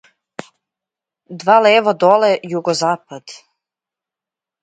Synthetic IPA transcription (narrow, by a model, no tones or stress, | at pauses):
d̪valevad̪olejuɡozaːpad̪̥